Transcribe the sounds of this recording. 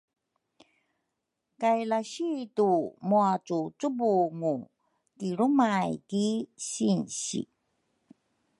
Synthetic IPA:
kajlaɕitumuat͡sut͡subuŋu | kiɾumajkiɕinɕḭ

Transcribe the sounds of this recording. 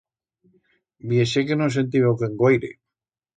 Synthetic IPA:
bjeʃekenos̬ent̪̬iβowkeŋɡwojɾḛ

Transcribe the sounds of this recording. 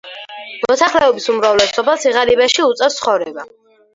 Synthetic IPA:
mɔsaχlɛɔbisumɾavlɛsɔbasiʁaɾibaʃiut̪sʼɛst̪sʰχɔvɾɛba

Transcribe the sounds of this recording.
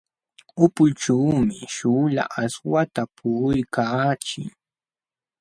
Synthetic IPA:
ʊpʊʈ͡ʂuːmɪʃuːla̰ʔaswat̪apʰʊjkaːt͡ʃɪ̰ŋ

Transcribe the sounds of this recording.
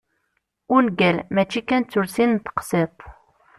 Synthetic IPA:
ʊɾnɡælmæt͡ʃːikænt͡sːʊɾsint̪ə̥qset̪ˤ

